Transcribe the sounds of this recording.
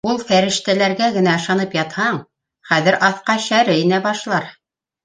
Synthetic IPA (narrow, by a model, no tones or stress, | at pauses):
ulˠfæɾɘ̆ʃt̪ælæɾɡæɡɘ̆næɤ̆ʃɑnɤpjɑt̪hɑɴ | χæðɘ̆ɾʔɑθqɑɕæɾɘinæbɑʃlˠɑɾ